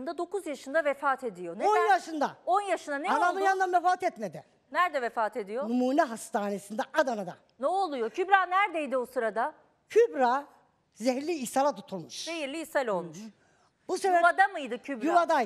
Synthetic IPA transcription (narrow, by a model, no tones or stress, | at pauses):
md̪ad̪o̞kuzjaʃɯnd̪avefaːt̪ʰe̞d̪ijoneonjaʃɯnd̪aonjaʃɯnd̪aneanamɯnjand̪anvefaːt̪ɛt̪med̪ɪ | næɾd̪ɛvefaːt̪ʰe̞d̪ijonumuːnɛɦast̪ʰaːne̞sind̪ɛʔad̪anad̪a̰ | nɛolˠujocʰybɾaːnæɾd̪ejd̪iosɯɾad̪a | cʰybɾa | zɛɦɾlʲiːsalˠat̪ʰut̪ʰulˠmuʃzejiɾlʲiːsalʲo̞lˠmuʃ | busevɛad̪amɯjd̪ɯcʰybɾjuvad̪a